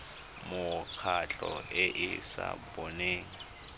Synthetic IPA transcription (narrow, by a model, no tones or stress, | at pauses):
mʊkʰat͡ɬʼɔɪʔɪsa̰boneːŋ̩